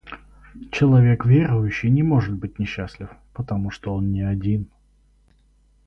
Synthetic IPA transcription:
t͡ɕɪlˠɐvʲe̞kvʲeɾʊjʉɕːɪjnʲɪmo̞ʐɨt̪̚bɨt̚ʲnʲɪɕːasʲlʲɪfpət̪ɐmuʂt̪oo̞nnʲɪɐdʲin

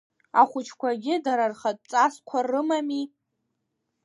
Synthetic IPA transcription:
a̰χʷʊt͡ʃʰkʷʰaɡʲɪdaɾarχatʼt͡sʼaskʷʰarɨmami

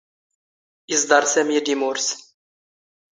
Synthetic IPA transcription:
izd̪ˤɑɾˤsæmjid̪imʊɾs

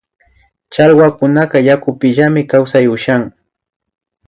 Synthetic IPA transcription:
t͡ʃalwakʊnaɢɑjakʊpɪʎamɪkawsajʊʃaŋ

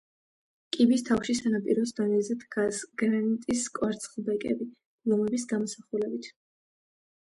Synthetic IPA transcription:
kʼibist̪ʰafʃisanapʼiɾɔs̬d̪ɔnɛzɛd̪ʰɡasɡ̥ɾanit̪ʼiskʼwaɾt̪sʰʼχlˠbɛkʼɛ̰bi̥ | lˠɔmɛbisɡamɔsaχulɛbit̪ʰ

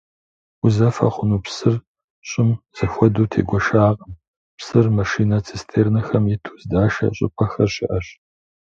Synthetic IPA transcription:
uzɐfɐ̰χʷʊnuːpsɨr | ɕʼɪmz̥ɨxʷɔduːtʰḛːɡʷɔʃaːqʼəm | psɨrmɐʃiːnɐt͡sʰistʰeːrnɐxɐmjɪtʰu̥ːzdaːʃɐ̰ɕʼɪ̰pʼʰɐxɐrɕɪ̰ʔɐɕ

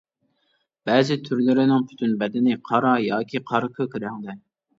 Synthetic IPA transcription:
b̥ɛzɪt̪ʰyɾlɪɾɪnɪŋpʰy̥t̪ʰynbɛd̪ɪnɪqʰɑɾɑjɑːkʲʰiqʰɑɾɨkʲʰøkʲɾæŋd̪ɛ

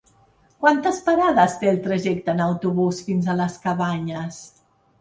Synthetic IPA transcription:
kwant̪əspaɾaðəst̪eːlˠt̪ɾəʒɛk̚t̪ənəwt̪uβusfinzələskəβaɲəs

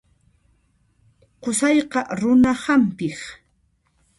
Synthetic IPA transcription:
qʊsɑjqɑɾʊnahampɪχ

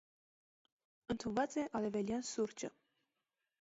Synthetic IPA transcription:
ənt̪ʰunvɑt͡sɛʔɑlɛvɛljɑnsuɾt͡ʃə

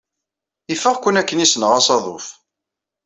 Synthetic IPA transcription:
ifːəʁkʷːənækːənisənəʁɑsɑðˤo̰θ

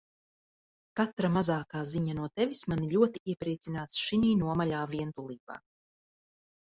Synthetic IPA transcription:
kat̪ɾamazaːkaːziɲanuɔt̪ɛvismaniʎʲuɔt̪iiɛpɾiɛt̪sinaːt̪sʃiniːnuɔmaʎaːviɛnt̪ulˠiːba̰ː

